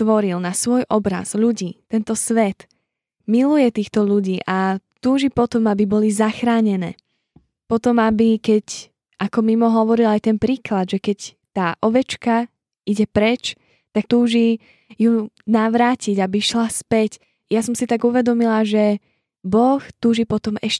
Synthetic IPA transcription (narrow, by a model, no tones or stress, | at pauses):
t̪ʋɔɾilnasʋɔjʔɔbɾa̰z̥ʎuɟiːt̪ɛnt̪ɔsʋɛt̪ | milujɛt̪iːxt̪ɔʎuɟiːʔat̪uːʒipɔt̪ɔmabibɔlizaxɾaːɲɛnɛ̰ː | pɔt̪ɔmabikɛc | ʔakɔmimɔɦɔʋɔɾilajt̪ɛnpɾiːklad̪ʒɛkɛc | t̪aːʔɔʋɛt͡ʃka | iɟɛpɾɛt͡ʃ | t̪ak̚t̪uːʒi | junaʋɾaːciɟabiʃlaspɛc | jasɔmsit̪aɡuʋɛd̪ɔmilaʒɛ | bɔxt̪uːʒipɔt̪ɔmɛʃ